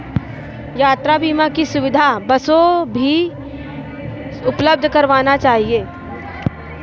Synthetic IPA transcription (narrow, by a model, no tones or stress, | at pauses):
jaːt̪ɾabʱiːmakisʊʋɪd̪ʱabɐsobʱi | ʊpləb̚d̪ʱkɐɾʋaːnat͡ʃaːɦieː